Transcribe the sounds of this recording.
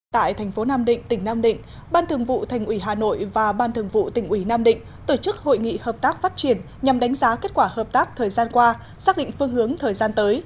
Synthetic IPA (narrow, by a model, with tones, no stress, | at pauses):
t̪a̰ː˧˨jt̪ʰɛ˨˩ŋ̟fo˨˦naː˧mɗḭ̈˧˨ŋ̟t̪ï˧˩ŋ̟naː˧mɗḭ̈˧˨ŋ̟ | ɓaː˧nt̪ʰɨ˨˩əŋvṵ˧˨t̪ʰa˨˩jŋ̟ʔwi˧˩ɦaː˨˩no̰˧˨jvaː˨˩ɓaː˧nt̪ʰɨ˨˩əŋvṵ˧˨t̪ï˧˩ŋ̟ʔwi˧˩naː˧mɗḭ̈˧˨ŋ̟ | t̪o˧˩t͡ɕɨ˦˥k̚ho̰˧˨jŋḭ˧˨həː˨˩p̚t̪aː˦˥k̚faː˦˥t̚t͡ɕi˧˩ən | ɲa˨˩mɗa˨˦ŋ̟zaː˨˦ke˦˥t̚kwaː˧˩həː˨˩p̚t̪aː˦˥k̚t̪ʰəː˨˩jzaː˧nkwaː˧ | saː˦˥k̚ɗḭ˧˨ŋ̟fɨ˧əŋɦɨ˨˦əŋt̪ʰəː˨˩jzaː˧nt̪əː˨˦j